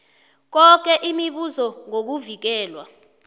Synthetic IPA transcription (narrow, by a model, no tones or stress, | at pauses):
k̬ɔk̬ɛʔimiɓuzɔŋok̬uvik̬ɛːlwa̰